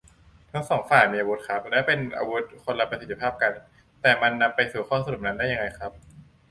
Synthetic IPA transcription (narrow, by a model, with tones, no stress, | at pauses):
t̪ʰa˦˥ŋsɔː˩˦ŋfaː˨˩jmiː˧a˧wu˦˥t̪̚kʰa˦˥p̚lɛː˦˥wpe˧nʔa̰ː˧wu˦˥t̪̚kʰo˧nla˧pɾa˧st̪ʰːi̥˧pʰaː˥˩p̚ka˧n | t̪ɛː˨˩ma˧nːa˧mpːa˧jsuː˨˩kʰɔː˥˩sa˧ɾu˨˩p̚na˦˥ndaː˥˩ja˧ŋa˧jkʰɾa˦˥p̚